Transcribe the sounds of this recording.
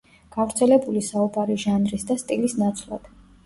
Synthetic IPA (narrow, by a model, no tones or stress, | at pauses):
ɡ̥avɾt̪sʰɛlɛbulisaubaɾiʒanɾisd̪ast̪ʼilisnat̪sʰlˠa̰d̪̥